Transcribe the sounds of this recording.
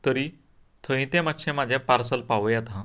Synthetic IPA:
t̪əɾi | t̪ʰəɦĩt̪ẽmat̪ɕẽmad͡ʑʱjapaɾsəlpaʋəjat̪ã

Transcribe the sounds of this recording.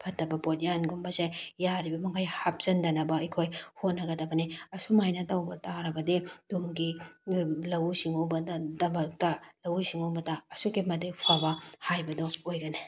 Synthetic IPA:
pʰɐtːɐbɐbotjanɡumbɐsejaɾibɐmɐŋkʰajhap̚z̥ɐndɐnɐbɐɐjkʰojhonːɐɡɐdɐbɐniɐsumajnɐtɐwbɐtaɾɐbɐdid̥umɡi | lɐwsiŋowbɐddɐbɐk̚tɐlɐwsiŋowbɐtaɐsuɡimɐdik̚pʰabɐhajbɐdɔojɡɐne

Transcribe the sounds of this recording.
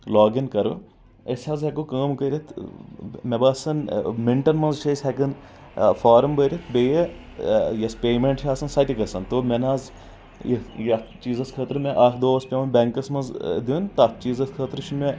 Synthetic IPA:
loːɡɐnkɐɾɨ | ɐsʲɐzɦʲɐkukaːmkɐɾʲit̪ʰ | mebaːsɐnmiɳʈɐnmɐnzt͡ʃʰɐsʲhʲɐkɐn | faːɾɐmbəɾʲit̪ʰbejɐ | jɐspʲeːmeɳʈʰʲaːsɐnsɐt̪ʲikɐsɐnt̪oːmʲenaːz | jjɐt͡ʃiːzɐskʰɐːt̪ɾɨmeʔaːkʰd̪oːɐspʲemeɳʈbʲeŋkɐsmɐnzd̪iːnt̪att͡ʃiːzɐskʰəːt̪ɾʃʰunme

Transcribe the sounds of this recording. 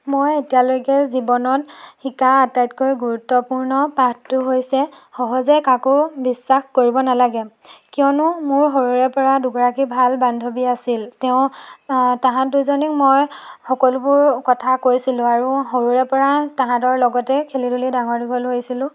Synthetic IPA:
mojetijalojkɛzibɔnɔtxikaːtajtkojɡuɹutːɔpuɹnɔpattːʊɦojsɛ | xɔɦɔzɛkakʊbisːaxkoɹibɔnalaɡɛ | kijɔnʊmʊɹɦoɹuɹɛpɔɹaduɡɔɹakibʱalbandʱobiasiltɛʊ̃ | taɦãduzɔnikmojxɔkɔlʊbʊɹkɔtʰakojsilʊ̃aɹuhoɹuɹɛpɔɹataɦãdɔɹlɔɡɔtɛkʰelidulidaŋɔɹdibʱɔlɦojsilʊ̃

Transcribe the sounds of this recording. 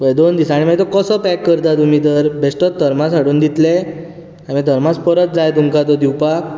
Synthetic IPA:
ʋəjd̪ond̪isaaːɽ̃imait̪ɔkəsəpɛkːəɾt̪at̪umiːt̪əɾbʱesʈət̪̚d̪ʱəɾmasaɽuːnd̪it̪le | amĩd̪ʱəɾmaspəɾət̪̚d͡zajt̪umkat̪̬ɔd̪iwpak

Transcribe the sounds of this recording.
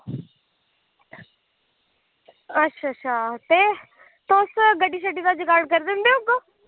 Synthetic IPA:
ətːʃʰaːtʃʰaːt̪eː | t̪ʊsɡəɖiːʃəɖiːd̪aːd͡ʒkalkəɾd̪ɪ̃ːnd̪eːoːkː

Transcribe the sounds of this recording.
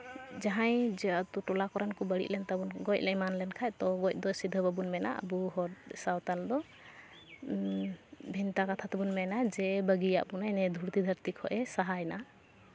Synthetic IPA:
d͡ʒaɦajd͡ʒɛat̪uʈɔlakɔɾɛnkɔbəɽḭʔlɛnt̪abunɡɔjc̚lɛjmanlɛnkʰajt̪ɔɡɔjc̚d̪ɔsid̪ʱəbabunmɛna̰ʔə̰buɦɔɾsawt̪ald̪ɔ | bʱint̪akat̪ʰat̪ɛbunmɛnad͡ʒɛbəɡija̰ʔbunajnɛd̪ʱuɽt̪id̪ʱəɾt̪ikʰɔʔɛsaɦajna

